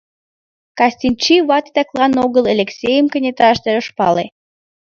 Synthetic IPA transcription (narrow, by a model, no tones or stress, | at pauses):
kɑsʲt̪ʲinʲt͡ɕiβɑt̪i̥t̪ɑklˠɑnoɣəlˠelʲeksʲejəmkə̆nʲet̪ɾɑʃt̪eɾoʃpɑ̰lḛ